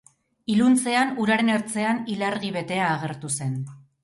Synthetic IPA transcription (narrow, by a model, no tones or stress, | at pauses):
ilunt͡se̞anuɾaɾe̞neɾt͡se̞anilaɾɣiβe̞t̪e̞aːɣ̞e̞ɾt̪use̞n